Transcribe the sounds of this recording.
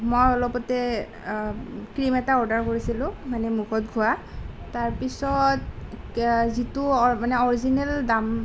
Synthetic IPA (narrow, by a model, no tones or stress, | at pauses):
mojɔlɔpɔtɛ | kɹimɛtaɔɹdaɹkoɹisilʊ̃manɛmukʰɔt̚ɡʱua | taɹpisɔt | zituɔmanɛɔɹizinɛldam